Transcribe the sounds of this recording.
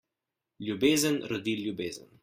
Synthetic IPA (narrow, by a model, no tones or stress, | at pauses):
lʲjubeːzənɾɔd̪iljubeːzə̰n